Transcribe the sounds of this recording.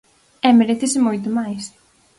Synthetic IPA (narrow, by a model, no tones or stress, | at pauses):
ɛmeɾeθɪsɪmojt̪ʊmajs